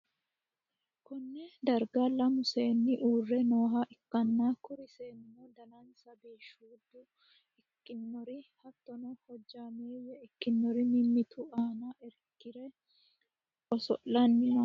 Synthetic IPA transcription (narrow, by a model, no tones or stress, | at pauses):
kɔnːɛd̪ɐɾɡalɐmʊse̞ːnːɪʔuːrːɛno̞ːɦaʔɪkːɐnːaːkʊɾɪseːnmːɔd̪ɐlɐnsɐbeːʃuːd̪ːʊ | ɪkːɪnːɔɾɪhɐt̪ːɔnɔhɔd͡ʒːaːmeːwɛɪkːɪnːɔɾɪmɪmːɪt̪ʰʊaːnaʔɛɾkːɪɾɛ | ɔsɔ̰ʔɐnːɪɐ